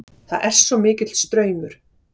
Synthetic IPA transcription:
θaðʔɛr̥sːɔmɪːcɪt̪lst̪ɾœːɥmʏɾ̥

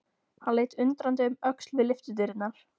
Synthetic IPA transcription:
hanleːjt̪ʏnt̪ɾant̪̬ɪʏmœkslvɪðlɪft̪ʏt̪̬ɪɾɪt̪naɾ̥

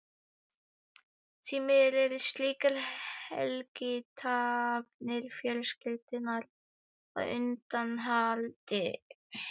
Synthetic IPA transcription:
t̪ʰiːmɪðɾɛɾɪsliːkaɾhɛ̰lkɪt̪ʰavnɪɾfjœlskɪt̪ɪnaɾ | ɔ̰ɣʏ̰nt̪anɦalt̪ɪ

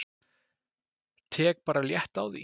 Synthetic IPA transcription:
t̪ʰɛːk̚paːɾaljɛht̪awðḭ

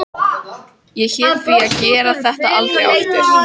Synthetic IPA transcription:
jɛçɛːɾθviaðcɛːɾaθɛht̪a̰ʔalt̪ɾeja̰wɛt̪ɪɾ̥

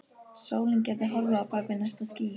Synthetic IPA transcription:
soːwlɪnc̬ɛːɾt̪ɪɦɔlvʏapapɪnːast̪asciː

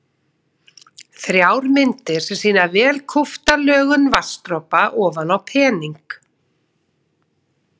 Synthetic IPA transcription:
θɾjaːwɾmɪnt̪ɪɾ̥sɛmsiːnavɛːlkʰɔft̪alœːɣʏnvarst̪ɾɔpaʔɔːvanawpʰɛːniŋk

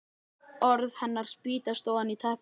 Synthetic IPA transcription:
ɔɾðhɛnːaɾ̥spiːt̪ast̪oːwðanit̪ʰɛhp

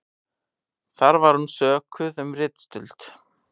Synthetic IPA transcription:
θaɾvaɾ̥hunsœːkʰʏðɛmrɪt̪st̪ʏlt̪

